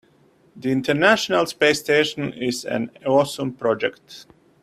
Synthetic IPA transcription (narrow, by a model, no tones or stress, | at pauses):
ðiɪ̃ntʰəɹnæʃənalˠspesteːʃə̃nɪzæ̰̃nɔsə̃mpɾɔd͡ʒɛkt